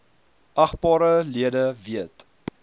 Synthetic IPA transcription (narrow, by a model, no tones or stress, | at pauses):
ʔɐχbɑːɾəliədəviət